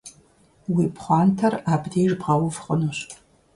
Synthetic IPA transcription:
wipʰχʷɑːntʰɐraːbdeːʒbʁɑwʊvχʼənoɕ

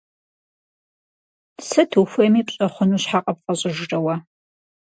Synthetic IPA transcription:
sɨtʰuxʷɐmiːpɕʼɐχʷʊnuːɕħaːqʼɐp̚qʼɐɕʼɪʒrɐwɐ

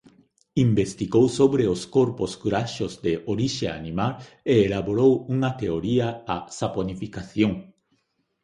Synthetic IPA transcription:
ĩmbest̪iɡowsoβɾeoskoɾposkuɾaʃozd̪eʔoɾiʃea̰nimal | eːlaβoɾowuŋɐt̪eoɾiaasaponifikaθjõŋ

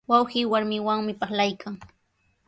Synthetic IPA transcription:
wawxiːwaɾmɪwaŋmɪpaχlajkaŋ

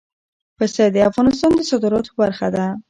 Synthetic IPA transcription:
pəsad̪eafɣɑnɪs̬t̪ɑnd̪əsɔd̪ɪɾɒt̪baɾxad̪a

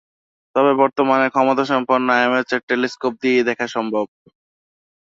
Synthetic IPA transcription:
t̪ɔβebɔɾt̪omaneɾkʰɔmot̪aʃɔmpoɾnːoajomeɾt͡ɕeɾ̚ʈːeliskop̚d̪ied̪ɛkʰaʃɔmbʱob̚

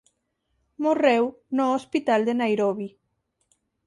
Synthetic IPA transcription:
morɛwnɔːspit̪ald̪enajɾɔβi

